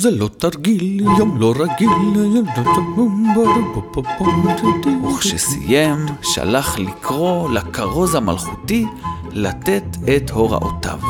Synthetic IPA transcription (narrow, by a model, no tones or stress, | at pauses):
zelo̞t̪aɾɡiljomlo̞ɾaɡiljomlot̪aumbaɾubopapomt̪tuχʃʃesḭjemʃa̰laχlikʰʁo̞lakaʁo̞zhama̰lχut̪ilat̪et̪et̪ho̞ʁa̰ʔo̰ta̰v